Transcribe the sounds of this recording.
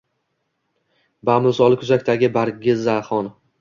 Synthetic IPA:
bamʊlsɒlˠɪkʰʊzakʲt̪ʰaɡʲɪbaɾɡʲɪzaχɒn

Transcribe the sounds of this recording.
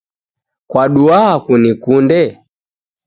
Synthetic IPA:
kwaɗuaakunikundɛ

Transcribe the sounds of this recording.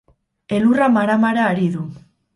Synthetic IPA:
e̞luramaɾamaɾaːɾiðu

